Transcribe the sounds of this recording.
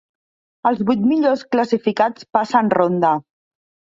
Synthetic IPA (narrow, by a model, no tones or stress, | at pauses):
əlˠzβujt̪miʎoskləsifikat͡spasənrond̪ə